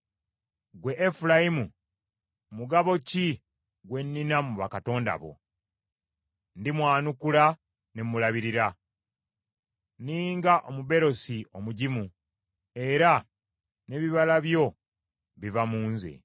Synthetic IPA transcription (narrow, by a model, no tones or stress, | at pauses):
ɡwe̞ʔːfulajimu | muɡaβo̞ci | ɡwe̞nːinamuβakato̞ːnda̰βo̞̰ | ndimwaːnukula | nemulaβiɾiɾa | niːŋɡaʔomuβe̞ɾo̞siomuɟimu | e̞ɾa | ne̞βiβalaβjo̞ | βivamuːnzḛ